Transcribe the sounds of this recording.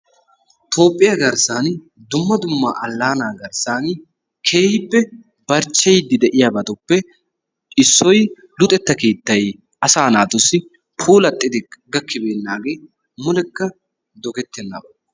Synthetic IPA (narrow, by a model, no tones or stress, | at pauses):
t̪ʰo̞ːpʼːɪjɐɡɐɾsaːn | d̪ʊmːɐd̪ʊmːaːʔɐlːaːnaːɡɐɾsaːn | kʰeːhɪpːɛ | bɐɾt͡ʃːɛjd̪ɪd̪ɛʔɪjabɐt̪ɔpːɛ | ɪsːɔj | lʊt̪ʼɛt̪ːɐkeːt̪ːɐj | ɐsaːnaːt̪ʊsːɪ | pʰuːlɐt̪ʼːɪd̪ɪɡɐkːɪbe̞ːnːaːɡe̞ː | mʊlɛkːɐ | d̪ɔɡɛt̪ːɛnːɐ̰bɐ